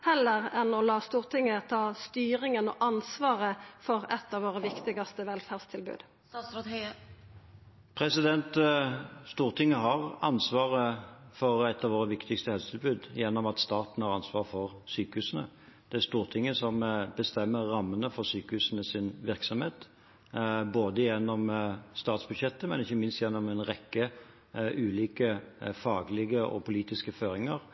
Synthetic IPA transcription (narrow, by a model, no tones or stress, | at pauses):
hɛlːəʁɛnɔlɑːst̪uːʁt̪ʰɪŋːət̪ʰɑːst̪yːɾɪŋənɔ̰ʔɑnsʋɑːʁəfɔʁɛt̪ːɑːʋoːʁəʋɪkt̪ɪɡɑst̪əʋɛlfæʁd̪st̪ʰɪlbʉ̰ːd̪ | pʰɾɛsɪd̪ɛnt̪ | st̪uːʁt̪ʰɪŋːəɦɑʁɑnsʋɑːʁəfɔʁɛt̪ɑʋoːɾəʋɪkt̪ɪkst̪əhɛlsət̪ʰɪlbʉːd̪jɛnːɔmɑt̪st̪ɑːt̪n̩hɑɾʁɑnsʋɑːʁəfɔʁsyːkəhʉːsənə̰ | d̪̥ɛæɾst̪uːʁt̪ʰɪŋːəsɔmbəst̪ɛmːəɾːɑmːənəfɔɾsyːkəhʉːsənəsɪnʋɪɾksɔmheːt̪ | boːd̪əjɛnːɔmst̪ɑːt̪sbʉd̪ɕɛt̪ːəmɛnɪçːəmɪnst̪jɛnːɔmɛnɾɛkːə | ʔʉːliːkəfɑːɡlɪɡəʔɔ̰pʰʊliːt̪ɪskəføːɾɪŋəɾ